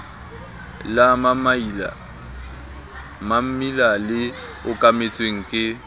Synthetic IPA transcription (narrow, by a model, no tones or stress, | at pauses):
lam | mam̩milalɪ | ʊkʼamet͡sʼweŋ̩kʼɪ